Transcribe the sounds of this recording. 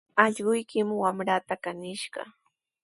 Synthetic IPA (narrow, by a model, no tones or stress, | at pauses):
ɑʎɢʊjkɪmwamɾaːt̪akanɪʃɢɑ̰